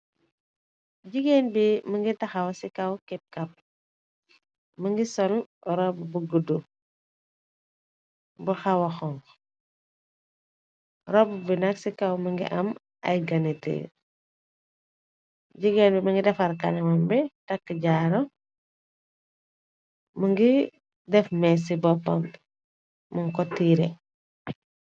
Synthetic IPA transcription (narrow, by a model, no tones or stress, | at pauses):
ɟiɡenbiməŋɡitɐxawsikawkip̚kɐp̚ | məŋɡisɔlɾɔbbuɡudu | buxawɐxɔŋ | ɾɔbbinɐksikawmɐŋɡḭʔɐm | ɐ̰jɡɐnitḭ | ɟiɡɛnbɛmɐŋɡidɛfaɾkanɛmɐmbɛtakːəɟaɾɔ | muŋɡi | dɛfmɛs̬ibɔtɔ̰n | muŋkɔtːiːɾɛ